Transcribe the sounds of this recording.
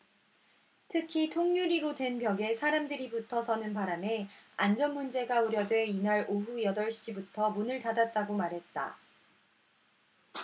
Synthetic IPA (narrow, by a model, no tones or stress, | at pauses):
tʰɯkʰitʰoŋɲuɾiɾodwe̞npjʌɡe̞sʰaɾamdɯɾibutʰʌsʰʌnɯnpaɾame̞and͡ʑʌnmund͡ʑe̞ɡauɾjʌdwe̞inaɾoɸujʌdʌɭɕ͈ibutʰʌmunɯɭtadat̚t͈aɡomaɾɦe̞t̚t͈a̰